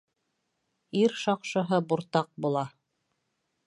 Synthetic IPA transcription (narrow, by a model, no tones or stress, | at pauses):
iɾʃɑqʃɤ̆ɦɤbuɾt̪ɑq̚bulˠɑ